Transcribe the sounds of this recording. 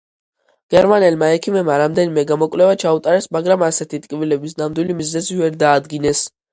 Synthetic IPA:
ɡ̥ɛɾmanɛlmaɛkʰimɛbmaɾamd̪ɛnimɛɡamɔkʼvlɛvat͡ʃʰaut̪ʼaɾɛsmaɡɾamasɛt̪ʰit̪ʼkʼivilɛbisnamd̪wilimiznɛzivɛɾd̪aːd̪ɡinɛs

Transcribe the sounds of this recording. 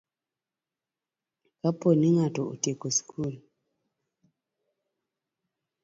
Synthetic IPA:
kaponiŋatɔo̰tjekoskʰul

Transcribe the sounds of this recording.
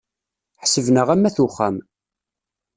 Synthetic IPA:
ħsəvnəʁæmːæθuχːæ̰m

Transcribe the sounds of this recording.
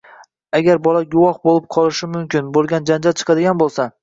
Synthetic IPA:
aɡʲaɾbɒlaɡʊwɒχbolɪp̚qʰɒlˠɪʃɪmʊmkʲɪnbolˠɡʲand͡ʒand͡ʒalt͡ʃʰɨ̥qʰɑd̪ɪɡʲanbolˠsa

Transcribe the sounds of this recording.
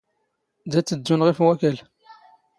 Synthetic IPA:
d̪æt͡sːəd̪ːunʁifwækæl

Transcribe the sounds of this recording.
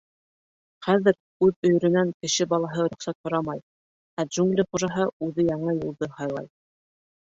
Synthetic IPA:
χæðɘɾ | ʉðɵ̆jɵ̆ɾɘ̆næŋkɘ̆ʃɘbɑlˠɑɦɤɾŏχsæt̪hŏɾɑmɑj | æʒuŋɡlʲɘχuʒɑɦɤʉðɘjɑɴɤjulˠd̪ɤhɑjlˠɑ̰j

